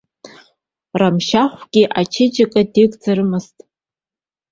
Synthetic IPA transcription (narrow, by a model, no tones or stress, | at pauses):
ramʃaχʷɡʲiʔat͡ʃʰɪd͡ʒakʼadikʼd͡zaɾɨmɨztʼ